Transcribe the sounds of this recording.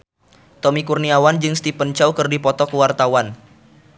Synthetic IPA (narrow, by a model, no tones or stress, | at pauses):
t̪ɔmikurniawand͡ʒɨŋst̪ipənt͡ʃawkərdipɔt̪ɔkəwart̪awan